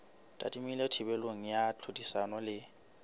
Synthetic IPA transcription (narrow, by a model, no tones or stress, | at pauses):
tʼa̰tʼimiletʰibɛloŋ̩jat͡ɬʰudisanɔlɪ